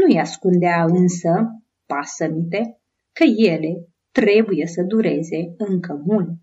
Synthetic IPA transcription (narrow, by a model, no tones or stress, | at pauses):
nujaskund̪eaɨnsə | pasənit̪e̞ | kəje̞le̞ | t̪ɾe̞bujesəd̪uɾe̞ze̞ɨŋkəmul